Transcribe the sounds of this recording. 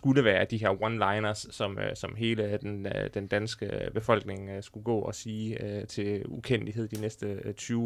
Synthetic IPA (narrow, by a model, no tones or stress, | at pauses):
sɡ̥uləʋæːɐd̥iɦe̝ɐ̰wɒnlɑ̈ɪnɐsːɒ̽msɒ̽mɦe̝ːləd̥end̥end̥ænsɡ̥əb̥e̝fɒ̽l̰ɡ̥ne̝ŋsɡ̥uɡ̥ɔ̰̽ːɒ̽siːt͡sʰe̝lukʰen̰liɦe̝ð̞̰ˠd̥inesd̥ət͡sʰyː